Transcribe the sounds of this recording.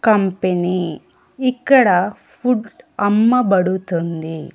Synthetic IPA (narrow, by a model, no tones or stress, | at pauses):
kɐmpeni | ikːɐɽɐ | pʰuɖɐmːɐbɐɽut̪und̪i